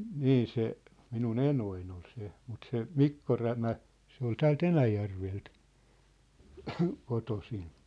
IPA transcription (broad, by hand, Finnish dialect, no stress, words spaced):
niː se minun enoin ol se mut se mikːo ræmæ se ol tæːlt enæjærʋelt kotosin